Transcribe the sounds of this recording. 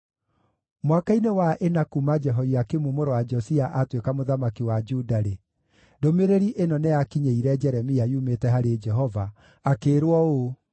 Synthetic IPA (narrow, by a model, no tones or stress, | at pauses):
mwakainewaʔenakumad͡ʒɛɦɔiakemumoɾowad͡ʒɔsiaʔatwekamoðamakiwad͡ʒudaɾe | domeɾeɾiʔenɔneakiɲeiɾɛd͡ʒɛɾɛmiaiumetɛɦaɾed͡ʒɛɦɔvaː | keɾwɔo